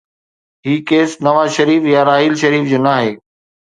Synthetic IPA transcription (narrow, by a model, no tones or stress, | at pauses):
ɦiːkeːsnɐʋaːzʃəɾiːfjaɾaːɦiːlʃɐɾiːfd͡ʑoːnaːɦeː